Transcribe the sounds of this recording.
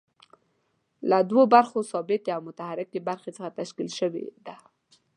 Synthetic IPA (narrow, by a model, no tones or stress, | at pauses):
lad̪wobaɾxosɑbɪt̪eawmʊt̪ahaɾɪkebaɾxet͡səxat̪aʃkilʃəwḛd̪a